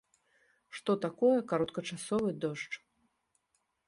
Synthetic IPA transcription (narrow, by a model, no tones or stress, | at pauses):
ʂt̪ɔt̪akɔjɛkaɾɔt̪kɐt͡ʂasɔvɨd̪ɔʂt͡ʂ